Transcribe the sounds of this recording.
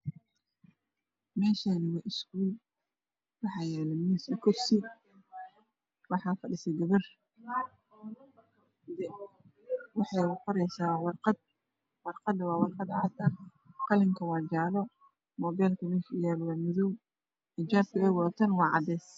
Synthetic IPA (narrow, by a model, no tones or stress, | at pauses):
mɛːʃaːnɪwaʔɪskuːl | wɑħɑːjɛːlɛmuːsɪkʰɔrsɪ | wɑħɑːfɐɖɪsɛɡɐβɐr | d̪ɛ | wɑħɑjwqɔɾɛjsaːwwɑrqɑd̪̚ | wɑrqɑd̪ɐwɑːwɑrqɑd̪ʕɑ̰t̪ɐ | qɑlɪŋkʰɐwɑːd͡ʒaːlɔ | mɔːbɛlkʰɐmɛːʃjaːlwamɪðɔw | ɪd͡ʒaːb̚kʰɐɛːɣɔːt̪ʰɐnwɑːʕɑ̰d̪ɛːs